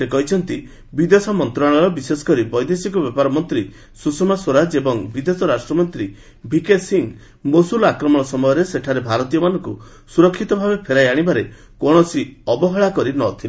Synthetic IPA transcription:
sekɔɦit͡ʃʰɔnt̪i | bid̪esɔmɔnt̪ɾaɽ̃ɔɾɔbisesɔ̥kɔɾibɔjd̪esikɔbepaɾɔmɔnt̪ɾi | susɔmasoɾad͡ʒebɔŋbid̪esɔɾasʈɾɔmɔnt̪ɾi | bʱikesiŋ | mosulakɾɔmɔɽ̃ɔsɔmɔjɔɾeseʈʰaɾebʱaɾɔt̪ijɔmanɔŋku | suɾɔkʰːit̪ɔbʱabepʰeɾajaɽ̃ibaɾe | kɔɽ̃ɔsiɔbɔɦɔɭakɔɾinɔt̪ʰile

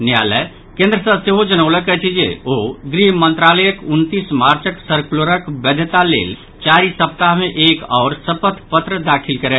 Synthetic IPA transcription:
nja̰ːləj | kẽːnd̪ɾəsə̃seɦod͡ʒənəʊləkɛt͡ʃʰid͡ʒḛoɡɾiɦmə̃nt̪ɾaːləjəkʊnt̪ismaːɾt͡ʃəksəɾkloɾəkbəd̪ʱət̪alḛːl | t͡ʃaːɾisəp̚t̪aɦmẽʔeːkɔːɾsəpət̪ʰpət̪ɾəd̪aːkʰilkəɾe

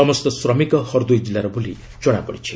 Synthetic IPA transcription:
ɔmɔst̪ɔsɾɔmikɔhɔɾd̪ujd͡ʒilaɾɔbuli | d͡ʒɔɽ̃apɔɽit͡ʃʰi̥

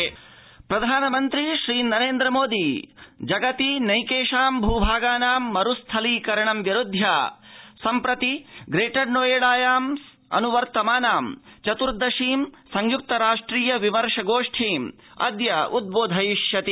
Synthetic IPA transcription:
pɾɐd̪ʱaːnɐmɐnt̪ɾiʃɾiːnɐɾeːnd̪ɾɐmoːd̪id͡ʒɐɡɐt̪inɐjkeːʃaːmbʱuːbʱaːɡaːnaːmːɐɾust̪ʰɐliːkɐɾɐɳɐmʋjɐɾud̪ʱjasɐmpɾɐt̪iɡɾeːʈɐɾnoːjeɭaːjaːms | ɐ̰nuʋɐɾt̪ɐmaːnaːmt͡ʃɐt̪uɾd̪ɐʃiːmsɐŋjuk̚t̪ɐɾaːʂʈɾiːjɐʋimɐɾʂɐɡoːʂʈʰiːm | ɐ̰d̪jɐud̪̚boːd̪ʱɐjiʂjɐt̪i

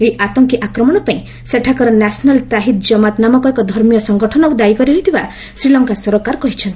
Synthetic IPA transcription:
eiʔat̪ɔŋkiʔakɾɔmɔɽ̃ɔpaĩ | seʈʰakɔɾɔnasɔnalt̪aɦit̪̚d͡ʒɔmat̪namɔkɔekɔd̪ʱɔɾmijɔsɔŋɡɔʈʰɔnɔawd̪ajkɔɾiɔit̪ʰiba | sɾilɔŋkasɔɾɔkaɾkɔɦit͡ʃʰɔnt̪i̥

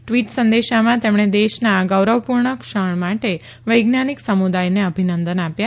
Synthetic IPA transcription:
ʈʋiʈsə̃nd̪eʃamãt̪emɽ̃ed̪eʃnaːɡəwɾəʋpuɾɳəkʃəɳmaʈe | ʋəjɡnaniksəmud̪ajneəbʱinə̃nd̪ənapja

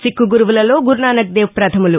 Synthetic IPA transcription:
t͡ʃikːuɡuɾuʋulɐlo̞ːɡuɾnaːnɐk̚d̪eːʋpɾɐt̪ʰɐmulu

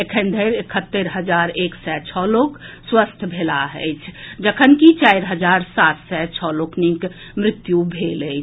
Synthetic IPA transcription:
ekʰə̃nd̪ʱəɾekʰət̪ːəɾɦəd͡ʒaɾeksɛt͡ʃʰɔlokswəst̪ʰbʱelaɦəɪt͡ʃʰd͡ʒəkʰənkit͡ʃaɪɾɦəd͡ʒaɾsat̪ʰsɛt͡ʃʰɔloknik | mɾɪt̪jubʱeləɪt͡ʃʰ

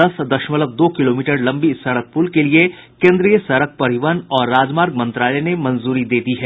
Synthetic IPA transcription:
ɐsd̪ɐʃmələb̚d̪oːkɪloːmiːʈəɾlɐ̃mbisɐɽək̚puːlkelie | kẽːnd̪ɾijəsɐɾək̚pɐɾɪʋənɔːɾːaːd͡ʒmaːɾɡmɐ̃nt̪ɾaːlɛnemɐ̃nzuːɾid̪eːd̪iɦɛː

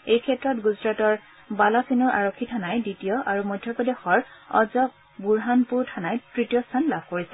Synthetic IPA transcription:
ejkʰɛtɹɔtɡuzɹatɔɹ | balɔsinɔɹʔa̰ɹokʰːitʰanajditijɔʔaɹumɔjdʱjɔpɔdexɔɹɔ̰zɔk̚ | buɹɦanpuɹtʰanajtɹitijɔstʰanlab̚ʱkoɹisɛ

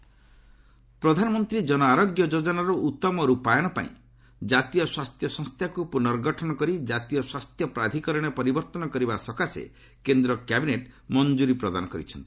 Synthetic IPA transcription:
pɾɔd̪ʱanɔmɔnt̪ɾid͡ʒɔnɔaɾɔɡjɔd͡ʒod͡ʒɔnaɾuʔut̪ːɔmɔɾupajɔɽ̃ɔpa̰ḭ̃ | d͡ʒat̪ijɔswast̪ʰjɔsɔ̃ŋst̪ʰjakupunɔɾɡʱɔʈʰɔnɔkɔɾid͡ʒat̪ijɔswast̪ʰjɔpɾad̪ʱikɔɾɔɽ̃epɔɾibɔɾt̪ɔnɔkɔɾibasɔkasḛ | kend̪ɾɔkjabineʈmɔnd͡ʒuɾipɾɔd̪a̰nɔkɔɾḭt͡ʃʰɔnt̪i̥

